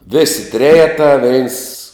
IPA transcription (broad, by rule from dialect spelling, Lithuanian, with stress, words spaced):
ʋʲeːsʲɪ ˈtʲrʲæːjɛtɑː ʋʲɛɪns